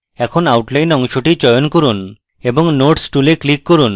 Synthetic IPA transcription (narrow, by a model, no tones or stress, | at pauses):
ɛkʰonawʈlajnɔŋʃoʈit͡ʃɔjonkɔɾun | ebɔŋnoʈsʈuleklikːɔɾun